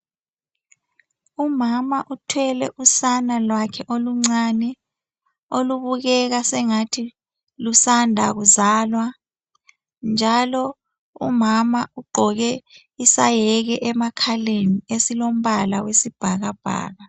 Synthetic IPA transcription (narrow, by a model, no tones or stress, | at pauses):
umamaʔutʰwɛlɛʔusanalwakʰɛʔoluŋ͡ǀanɛ | oluβuɣɛɣasɛŋatʰi | lusandʱaɣuzaːlwa | nd͡ʒʱalɔ | ṵmamauɡ͡ǃʱɔɣɛ | isajɛɣɛʔɛmakʰaleniesilom̩βalawesib̥ʱaɣab̥ʱa̰ːɣa